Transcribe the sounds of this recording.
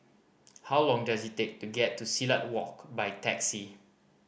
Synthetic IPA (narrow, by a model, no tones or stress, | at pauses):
hawlɔ̃ŋdasitek̚tuɡɛtːusilat̚wɔkbajtɛksi